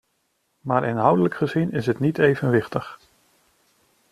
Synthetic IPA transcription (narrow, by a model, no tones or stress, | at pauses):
maːɹʔɪnɦʌwdələkχəzinɪsɦətnitejvənʋɪχtəχ